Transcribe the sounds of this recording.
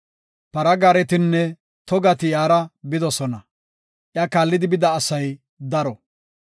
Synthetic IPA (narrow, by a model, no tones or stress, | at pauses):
pɐɾɐɡaːɾɛt̪ɪnːɛ | t̪ɔɡɐt̪ɪjaːɾɐbɪd̪ɔsɔnɐ | ʔjaːkaːlːɪd̪ɪbɪd̪ɐːsɐj | d̪ɐɾɔ